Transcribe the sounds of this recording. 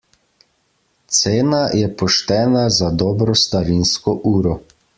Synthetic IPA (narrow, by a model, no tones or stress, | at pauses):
t̪seːnajɛpɔʃt̪ɛːnazad̪ɔːbɾɔst̪aɾinskɔʔuːɾɔ